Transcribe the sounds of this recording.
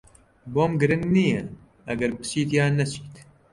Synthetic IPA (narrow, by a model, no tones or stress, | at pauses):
boːmɡɨɾɨŋɡniːjɛ | ʔɐɡɐɾbɨ̥t͡ʃiːt̪jaːnːɛt͡ʃi̥ːt̪